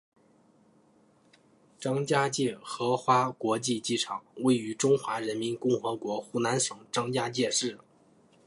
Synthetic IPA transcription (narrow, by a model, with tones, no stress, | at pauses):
ʈ͡ʂɑ˥ŋt͡ɕja˥t͡ɕjɛ˥˩xɤ˧˥xwa˥kwɔ˧˥t͡ɕi˥˧t͡ɕi˥˩ʈ͡ʂʰɑ˨˩˦ŋwe˥˩ɪy˧˥ʈ͡ʂʊ˥ŋxwa˧˥ɻə˧˥nmi˧˥nkʊ˥˩ŋxɤ˧˥kwɔ˧˥xu˥˩na˧˥nʂɤ˧˥ŋʈ͡ʂɑ˥ŋt͡ɕja˥t͡ɕjɛ˥˧ʂɻ̩˥˩